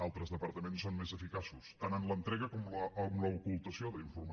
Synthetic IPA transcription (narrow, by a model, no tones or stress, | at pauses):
alˠt̪ɾəzðəpəɾt̪əmensːonmezəfikasust̪anənlənt̪ɾɛɣəkɔmləəmləukulˠt̪əsioðəiɱfurm